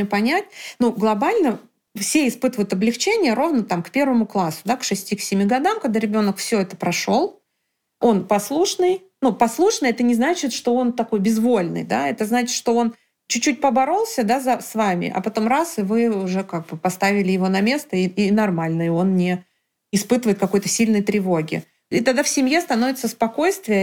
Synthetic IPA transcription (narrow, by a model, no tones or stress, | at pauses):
pɐnʲæt̚ʲnuɡlˠɐbalʲnə | fsʲeɪspɨt̪ɨvʊjʊt̪ɐblʲɪxt͡ɕenʲɪjəɾo̞vnət̪amkpʲe̞rvəmʊklˠasʊd̪akʂɨsʲtʲiksʲɪmʲiɡɐd̪amkɐɡd̪aɾʲɪbʲo̞nəkfsʲɵɛt̪əpɾɐʂo̞lˠ | o̞npɐslˠuʂnɨj | nupɐslˠuʂnɨjɛt̪ənʲɪznat͡ɕɪt̪ʂt̪o̞ont̪ɐko̞jbʲɪzvo̞lʲnɨ̰jd̪aɛt̪əznat͡ɕɪ̥t̪ʂt̪o̞o̞n | t͡ɕʉt͡ɕːut̚ʲpəbɐɾo̞lˠsʲəd̪azɐsvamʲɪ̰ʔɐ̰pɐt̪o̞mrasɨvɨʊʐɛkaɡ̚bɨpɐst̪avʲɪlʲɪjɪvo̞nɐmʲe̞st̪əiinɐrmalʲnəɪo̞nnʲɪ | ɪspɨt̪ɨvəɨɪt̪kɐko̞jt̪ə̥sʲilʲnəjt̪ɾʲɪvo̞ɡʲɪ̰ | it̪ɐɡd̪afsʲɪmje̞st̪ɐno̞vʲɪt̪səspɐko̞jst̪vʲɪjə